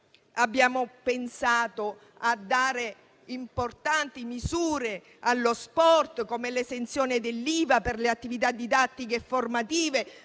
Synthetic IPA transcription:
abːjaːmopensaːt̪o | ad̪ːaːɾe | import̪ant̪imizuːɾe | alːospɔrt̪komelesent̪sjɔːnɪd̪elːiːvaperleat̪ːivit̪ad̪ːid̪at̪ːikefːormat̪iːve

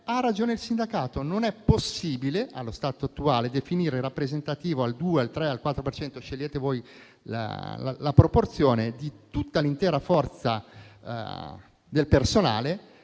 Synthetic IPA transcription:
arːad͡ʒoːneilsind̪akaːt̪ononɛpːosːiːbileʔa̰lːost̪aːt̪oat̪ːuaːled̪efiniːɾerapːɾezent̪at̪iːvoald̪uːealt̪ɾɛalkwat̪ːɾopert͡ʃɛnt̪oʃelʎːeːt̪evoːj | la̰la̰lapɾoport̪sjoːned̪it̪ut̪ːalint̪ɛːɾafɔrt̪sa | d̪elpersona̰ːle

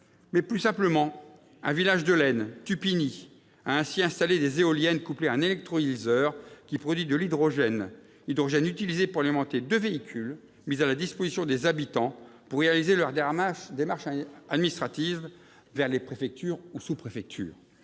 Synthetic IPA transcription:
mɛplysɛ̃pləmɑ̃ | ɛ̃vilaʒd̪əlɛnt̪ypini | aɛ̃siɛ̃st̪aled̪ezeɔljɛnkupleɛ̃nelɛk̚t̪χɔilzœʁkʲipχɔd̪ɥid̪əlid̪ʁɔʒɛn | id̪ʁɔʒɛnyt̪ilizepuʁalimɑ̃t̪ed̪øveikʲʰyl | mizalad̪ispozisjɔ̃d̪ezabit̪ɑ̃puʁːealizelœʁd̪ed̪emaʁʃad̪minist̪χat̪iv | vɛʁlepχefɛk̚t̪yːʁusupχefɛk̚t̪ʰy̰ːʁ

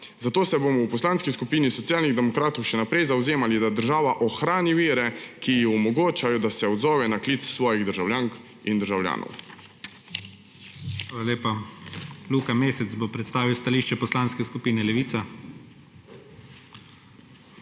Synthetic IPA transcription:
zat̪oːsɛbomɔwpɔslaːnskiskupiːnisɔt̪sijaːlniɣd̪ɛmɔkɾaːt̪ɔwʃɛnapɾɛjzawzeːmalid̪ad̪əɾʒaːʋaʔɔxɾaːniʋiːɾɛkijixɔmɔɡoːt͡ʃajɔd̪asɛɔd̪zɔːʋɛnakliːt̪ssʋɔːjiɣd̪əɾʒawljaːŋk | ind̪əɾʒawlja̰ːnʔɔ̰w | xʋaːlaleːpa | luːkameːsɛt̪bopɾɛt̪st̪aːʋiwst̪aliːʃt͡ʃɛpɔslaːnskɛskupiːnɛlɛʋiːt̪sa

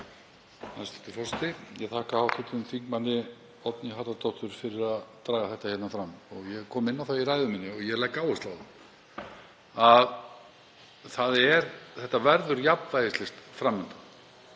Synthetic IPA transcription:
ast̪ɪ̥t̪ʰɪfɔst̪ɪjɛt̪ʰaːhkahawt̪ʰɪt̪ʏmθiŋkmanːɪ | ɔt̪nɪɦaːt̪at̪ɔht̪ʏɾ̥fɪɾɪɾaðt̪ɾaːɣaθɛht̪ḁhɛt̪nafɾamɔɣjɛɣkʰɔːmɪnːawθawiɾajðʏmiːnːɪɔɣjɛlajkːaːwʏst̪lawða | að | θaðɛɾθɛht̪ːavɛɾðʏɾjaplvajðɪst̪lɪst̪fɾamːʏnt̪a

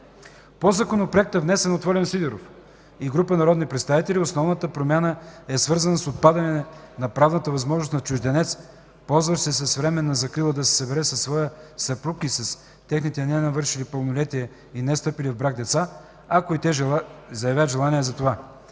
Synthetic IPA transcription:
pozakonopɾoɛk̚t̪əvnɛsɛnot̪vɔɾʲɛnsid̪ɛɾof | iɡɾupənɐɾɔd̪nipɾɛt̪st̪avit̪ɛliosnɔvnət̪əpɾomʲjanəɛsvɤɾzɐnəsot̪̚pad̪ɐnɛnɐpɾavnət̪əvɐzmɔʒnʊst̪nɐt͡ʃʊʒd̪ɛnɛt̪s | pɔlˠzvəʃsɛsɐsvɾɛmɛnːɐzɐkɾilˠəd̪ɐsɛ̥sɐbɛɾɛsɐsːvɔjəsɐpɾukisɐs | t̪ɛxnit̪ɛnɛnɐvɤɾʃilipəlˠnolɛt̪iɛ | inɛst̪ɤpilivbɾaɡ̚d̪ɛt̪sa | akoit̪ɛzɐjɐvʲjad̪ʒɛlˠaniɛzɐt̪ova

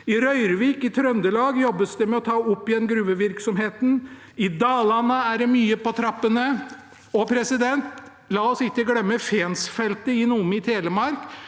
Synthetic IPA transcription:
ɪɾœʏɾʋiːkɪt̪ʰɾœnd̪əlɑːɡjɔbːəsd̪ɛmɛɔt̪ʰɑːɔpːɪɛnɡɾʉːʋəʋɪɾksɔmɦeːt̪n̩ | ɪd̪ɑːlɑnəæɖɛmyːəpɔt̪ʰɾɑpːənə | ɔpʰɾɛsɪd̪ɛnt̪ | lɑːɔsɪkːəɡlɛmːəfeːnsfɛlt̪əɪnuːəmɪt̪ʰeːləmɑɾk

